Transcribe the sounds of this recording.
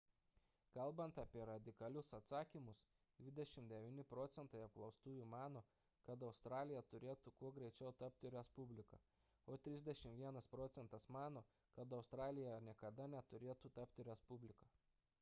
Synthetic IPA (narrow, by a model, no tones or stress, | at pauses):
kɐlˠˑbɐnt̪ɑːpʲiɛɾɐd̪ʲɪkɐlʲʊsɐt̪sɑːkʲimʊs | d̪ʲʋʲɪd̪ʲɛʃʲɪmd̪ʲɛʋʲiːnʲɪpɾɔt̪sʲɛnt̪ɐɪɐp̚klˠɒʊst̪uːjumɑːnoː | kɐt̪ɐʊst̪ɾɑːlʲɪjɛt̪ʊɾʲeːt̪ukuɔɡɾʲɛɪt͡ʃʲɛʊt̪ɐp̚ʲt̪ʲɪɾʲɛspʊbʲlʲɪkɐ | oːt̪ʲɾʲɪzʲd̪ʲɛʃʲɪmʋʲiɛnɐspɾoːt̪sʲɛnt̪ɐsmɑːnoː | kɐt̪ɐʊst̪ɾɑːlʲɪjɛnʲiɛkɐd̪ɐnʲɛt̪ʊɾʲeːt̪ut̪ɐpʲt̪ʲɪɾʲɛspʊbʲlʲɪkɐ